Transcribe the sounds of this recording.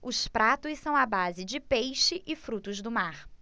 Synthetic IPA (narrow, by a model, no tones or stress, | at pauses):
ʊspɾat̪ʊssɐ̃w̃ɐbazɪd͡ʒɪpejʃɪʔɪfɾut̪ʊzd̪ʊmaχ